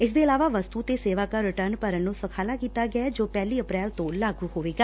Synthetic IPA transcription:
ɪsd̪eːɪlaːʋaːʋəst̪uːt̪eːseːʋaːkəɾːɪʈəɾnpəɾənːũːsəkʰaːlaːkiːt̪aːɡɛɛːd͡ʒoːpɛːliːəpɾɛːlt̪õːlaːɡuːhoːʋeːɡaː

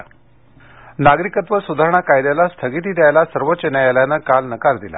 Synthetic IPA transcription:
naɡɾikət̪ʋəsud̪ʱaɾəɳ̃akajd̪alast̪ʰəɡit̪̬iːd̪jajlasəɾʋotːt͡ɕənajaljanəkalnəkaɾd̪ila̰

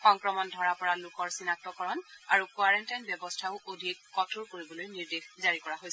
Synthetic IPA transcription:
xɔŋkɹɔmɔndʱɔɹapɔɹalʊkɔɹsinak̚tɔkɔɹɔna̰ɹukwaɹɛntajnbjɔbɔstʰaʊʔodʱikːɔtʰoɹkoɹibɔlojniɹdexzaɹikɔɹaɦojsɛ

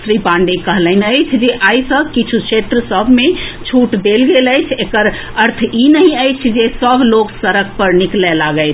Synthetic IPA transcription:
sɾipãɳɖekəɦləɪnəɪt͡ʃʰd͡ʒeʔajsə̃kit͡ʃʰut͡ʃʰet̪ɾəsəbʱmet͡ʃʰuʈd̪elɡeləjt͡ʃʰekəɾ | əɾt̪ʰinəɦĩəjt͡ʃʰd͡ʒesəbʱloksəɾək̚ʰpəɾniklɛlaɡəɪt̪ʰ

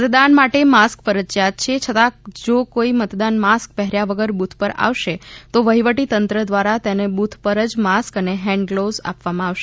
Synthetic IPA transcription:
ət̪d̪anmaʈemaskfəɾəd͡ʒjat̪t͡ʃʰet͡ʃʰət̪ad͡ʒokoimət̪d̪anmask̚pɛɦɛɾjaʋəɡəɾbut̪ʰpəɾa̰ʋʃet̪oʋəɦiʋəʈit̪ənt̪ɾəd̪ʋaɾat̪enebut̪ʰpəɾəd͡ʒmaskəneɦɛ̃ɳɖloza̰pʋamãaʋʃe

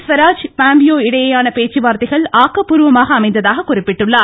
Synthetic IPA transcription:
sʋɐɾaːd͡ʒpaːmbɪjoːɪɽɐjɐjaːnɐpeːt͡ʃːɪʋaːɾt̪ɐɪɣɐɭaːkːɐpːuːɾɯʋɐmaːɣɐːmɐɪnd̪ɐðaːɣɐkʊrɪpːɪʈːɯɭːaː

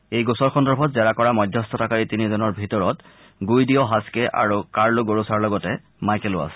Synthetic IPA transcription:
ejɡʊsɔɹxɔndɔɹbʱɔtzɛɹakɔɹamɔjdʱjɔstʰɔtakaɹitinizɔnɔɹbʱitɔɹɔt | ɡujdiɔɦaskɛʔa̰ɹukaɹlʊɡoɹusaɹlɔɡɔtɛ | majkelʊa̰sɛ̥

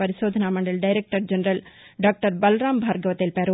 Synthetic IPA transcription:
ɐɾɪʃoːd̪ʱɐnaːmɐɳɖɐlɖɐjɾek̚ʈɐɾd͡ʒɐnɐɾɐlɖaːk̚ʈɐɾbɐlɾaːmbʱaːɾɡɐʋɐt̪ːilpeːɾ

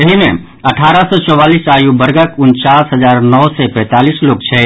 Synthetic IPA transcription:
əɦine | əʈʰaɾasɔt͡ʃɔʋalisajũbəɾɡəkʊnt͡ʃasɦəd͡ʒaɾnɔwsepɛ̃t̪alislok̚t͡ʃʰe

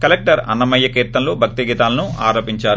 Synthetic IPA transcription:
kɐlek̚ʈɐɾɐ̰nːɐmɐjːɐkiːɾt̪ɐnloːbʱɐk̚t̪iɡit̪aːlɐnua̰ːɾo̞ːpiɲt͡ʃaːɾu

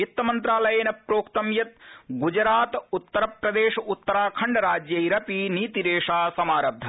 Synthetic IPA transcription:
jit̪ːɐmɐnt̪ɾaːlɐjɐnɐpɾoːkt̪ɐmjɐt̪̚ɡud͡ʒɾaːt̪ut̪ːɐɾɐpɾɐd̪eːʃɐut̪ːɐɾaːkʰɐɳɖɐɾaːd͡ʒjɐiɾɐpiniːt̪id̪eːʂaːsɐmaːɾɐb̚d̪ʱːɐ

